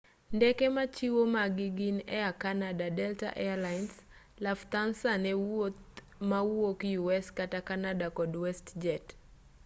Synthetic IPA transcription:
ndɛkɛmat͡ʃiwomaɡiɡinɛakanadadɛlta̰ʔɛalajns | laft̪ansanɛ | mauwokijuɛskatakanadakɔdwɛstd͡ʒɛt

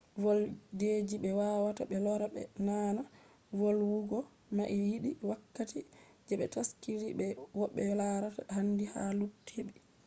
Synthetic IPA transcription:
vɔlded͡ʒiɓɛwaːwata̰ɓɛlɔɾabɛ̰naːna | vɔlwuɡɔ | maʔijiɗiwakːati | d͡ʒɛɓɛ̰taskiɾiɓɛwɔɓːɛlaɾatahandiha̰lutʰːeɓɛ

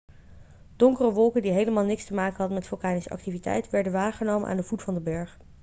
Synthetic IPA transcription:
d̥ɔŋkərəʋɔlˠkəndiɦejləmaːlˠnɪkstəmaːkənɦɑdənmɛtfʊlˠkaːnisəʔɑ̰ktivitɛ̰jtʋɛɹdənʋaːχənowmənʔa̰ːndəvutfɑndəbɛɹχ

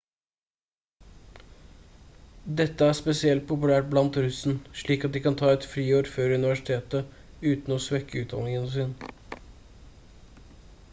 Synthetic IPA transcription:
d̪ɛt̪ːəæspɛsɪɛlt̪̚pʰʊpʉlæːʈ̚blɑnt̪ɾʉsn̩ʂɭiːkɑt̪̚d̪ɪːkɑnt̪ʰɑːɛt̪fɾiːoːɾfœɾʉnɪʋæʂɪ̥t̪ʰeːt̪ə | ʉːt̪n̩oːsʋɛkːəʉːt̪̚d̪ɑ̰nɪŋənsɪːn

